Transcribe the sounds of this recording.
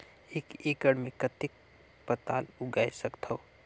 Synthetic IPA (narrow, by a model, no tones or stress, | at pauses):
ekekəɽmekət̪ɪk̚ | pət̪aːlʊɡajsəkt̪ʰəʊ